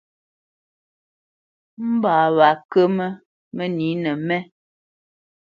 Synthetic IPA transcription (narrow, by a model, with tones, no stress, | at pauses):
m̩˦baː˨βa˨kə˦mə˦ | mə˦ni˨˦nɛ˨mɛ˦